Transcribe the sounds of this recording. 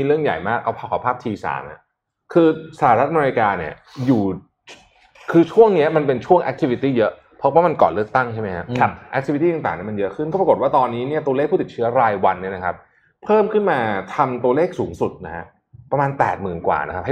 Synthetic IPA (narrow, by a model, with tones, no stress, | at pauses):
iː˧ɾɯ˥˩əŋja̰˨˩jmaː˥˩k̚ːa˧˩pʰaː˧˩kʰaː˨˩pʰaː˥˩p̚t̪ʰiː˧sa̰ː˩˦mha˥˩ | kʰɯː˧saː˨˩˨a˧ɾa˦˥ʔa˧me˧i˧kaː˧ni˦˥˩ɐjuː˨˩ | kʰɯː˧t͡ɕʰu˥˩əŋni˦˥ɐma˧npe˧nt͡ɕʰu˥˩əŋʔɛ̰˦˥k̚t̪ʰi˧˩wi˧t̪iː˥˩jɤ˦˥ʔ | pʰɔ˦˥waː˥˩ma˧nkɔ̰ː˨˩nlɯ˥˩ək̚t̪a˥˩ŋt͡ɕʰa˥˩jma˦jkʰa˦˥˦ʔɛ˧˥k̪̚ʰi˧i˧iː˥˩a˨ŋt̪aː˨˩ni˦˥˩ma˧njɤ˦˥ʔkʰɯ˥˩nkɔ˥˩pɾa˧ko˨˩t̪̚waː˥˩t̪ɔː˧nːiː˦˥ni˥˩ɐt̪u˧leː˥˩k̚ʰuː˥˩t̪i˨˩t̚t͡ɕʰɯ˦˥ɐɾaː˧jwa˧nːi˥˩əna˦˥kʰa˦˥p̚ | pʰɤː˥˩mkʰɯ˥˩nmaː˧t̪ʰa˧mt̪u˧ɐleː˥˩k̚suː˩˦ŋsu˨˩t̪̚na˦˥kʰa˦˥ | pɾa˧maː˧npɛ̰ː˨˩t̪̚mɯː˨˩nkwa̰ː˨˩na˦k̚ʰh